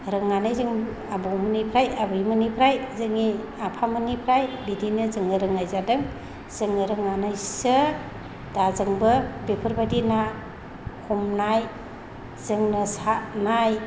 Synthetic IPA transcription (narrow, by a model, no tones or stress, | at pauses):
ɾɯŋanajzɯŋ | abowmɯnipʰɾajabɯimɯnipʰɾajzɯŋi | apʰamɯnipʰɾajbidinɯzɯŋɯɾɯŋajzadɯŋ | z̥ɯŋɯɾɯŋanajsɯ | d̥azɯŋbɯbepʰɯɾbadina | kʰumnaj | zɯŋnɯsanaj